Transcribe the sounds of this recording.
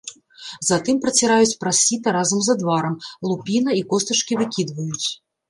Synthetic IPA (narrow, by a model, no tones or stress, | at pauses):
zat̪ɨmpɾɐt͡sʲɛɾajut͡sʲpɾasʲit̪ɐɾazɐmzɐd̪vaɾɐmlˠupʲinɐikɔst̪ɐt͡ʂkʲivɨkʲid̪vɐjut͡sʲ